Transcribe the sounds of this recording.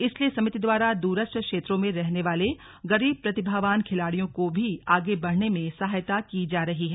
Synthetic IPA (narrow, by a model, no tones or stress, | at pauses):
ɪsliesɐmɪt̪id̪ʋaːɾad̪uːɾəsʈəkʃeːt̪ɾõmẽɾɛɦneʋaːle | ɣɐɾiːb̚pɾɐt̪ɪbʱaːʋaːnkʰɪlaːɽijõkobʱiaːɡebɐɽ̤nemẽsɐɦajt̪akid͡ʒaːɾɐɦiɦɛː